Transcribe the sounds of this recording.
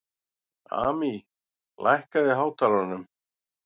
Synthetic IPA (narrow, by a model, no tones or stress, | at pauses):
a̰ːmi | lʔa̰jhkaðɪɦaːwt̪aɾanʏm